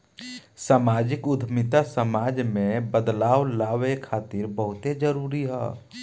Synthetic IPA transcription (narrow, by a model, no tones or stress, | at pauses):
saːmaːd͡ʒɪkʊd̪ʱmɪt̪asəmaːd͡ʒmẽbəd̪laːʋlaːʋekʰaːt̪ɪɾbəɦʊt̪ed͡ʒəɾuːɾiɦɛ̰ː